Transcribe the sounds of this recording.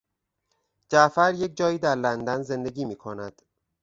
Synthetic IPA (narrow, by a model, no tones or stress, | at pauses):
d͡ʒæʔfæɾje̞c̚d͡ʒɒːjiːd̪æɾlænd̪ænze̞nd̪e̞ɡiːmiːkʰonæd̪̥